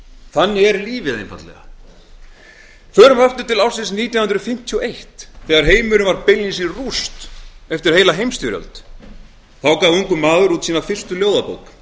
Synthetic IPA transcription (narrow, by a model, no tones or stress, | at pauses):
θanːɪɛɾliːvɪðejnpa̰t̪lɛ̰ɣa̰ | θœɾʏmaft̪ʏt̪ʰɪlawsɪnsniːt̪jaw̪nhʏnd̪ɾʏfɪm̥t̪ʰjiɔʔejht̪θɛːɣaɾɦeːjmʏɾʏvaɾpɪjljɪsirust̪ɛft̪ɪɾ̥heːjlaɦejmst̪ʏɾjœ̰lt̪ | θawkaːvuŋkʏmaːðʏɾut̪siːnafɪr̥st̪ʏljoːwðapo̰wk